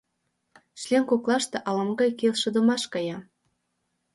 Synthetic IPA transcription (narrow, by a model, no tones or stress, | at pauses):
ʃlʲenkoklɑʃt̪eʔɑlɑmɡɑjkelʃɤ̆d̪ə̆mɑʃkɑjɑ